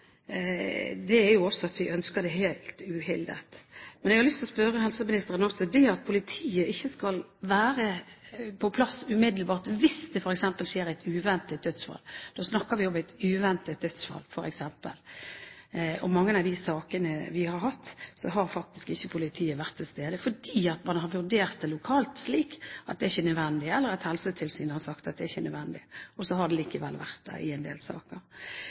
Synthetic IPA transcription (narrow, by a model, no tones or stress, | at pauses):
d̪ɛæɾjʊɔsːɔɑt̪ʋɪʔœnskəd̪ɛhæɪlt̪ʉhɪld̪ə̰t̪mɛnɛɡhɑɾlʏst̪lɔspœɾəhɛlsəmɪnɪst̪əɾənɔsːɔd̪ɛɑt̪̚pʰʊlɪt̪ʰiːəʔɪçːəskɑlʋæːɾəpʰɔpʰlɑsʉmɪd̪lbɑːʁt̪ʋɪsd̪ɛfɔɾɛksɛmpəlʃeːɾæɪt̪ʉːʋɛnt̪ət̪̚d̪œt̪sfɑ̰ːld̪̥oːsnɑkːəɾʋɪɔmæɪt̪ʉːʋɛnt̪ət̪̚d̪œt̪sfɑ̰lfɔɾɛ̰ksɛmpə̰l | ɔmɑŋːənɑd̪ɪsɑːkənəʋɪhɑɾɦɑt̪ːsɔɦɑɾfɑk̚t̪ɪskɪçːəpʰʊlɪt̪ʰiːəʋæʁt̪ʰːɪlst̪eːd̪əfɔdiːɑt̪mɑnɦɑɾʋʉʁd̪eːɾt̪̚d̪ɛlʊkʰɑːlt̪sliːkʔɑt̪̚d̪ɛæɪçːənœd̪ʋɛnd̪ɪɛlːəɾɛt̪hɛlsət̪ʰɪlsyːnhɑɾsɑkt̪ɑt̪̚d̪ɛæɪçənœ̰d̪ʋɛnd̪ɪ̰ɔsɔhɑɖɛliːkəʋɛ̰lːʋæ̰ʁt̪̚d̪æ̰ɪ̰ɛnd̪ḛːlsɑ̰ːkəɾ